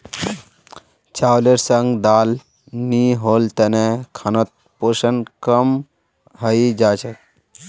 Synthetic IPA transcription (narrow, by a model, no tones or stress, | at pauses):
t͡ʃaːwleɾsəŋɡd̪aːl | niɦolt̪ənekʰanɔt̪̚ | poʃənkəm | ɦəid͡ʒaːt͡ʃʰət̚